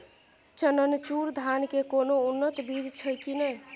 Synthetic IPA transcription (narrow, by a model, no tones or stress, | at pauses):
t͡ʃənənt͡ʃuɾd̪ʱankekonounːət̪bid͡ʒt͡ʃʰəjkinəj